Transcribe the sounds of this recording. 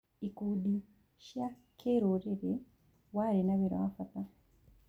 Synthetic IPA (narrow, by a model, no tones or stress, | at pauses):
ikudi | ʃa | kʰeːɾoɾeɾe | waɾinaβeɾa̰afata